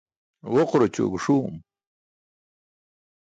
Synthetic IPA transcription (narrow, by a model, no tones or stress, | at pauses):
ʁoqɾot͡ɕo̰ɡʂuːm